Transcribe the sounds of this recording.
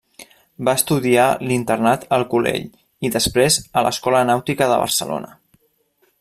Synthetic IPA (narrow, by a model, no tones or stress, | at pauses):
baəst̪uðialint̪ərnat̪əlˠkulḛʎ | iðəspɾezələ̰skɔlənawt̪ikəðə̰β̞ə̰ɾsəlo̰nə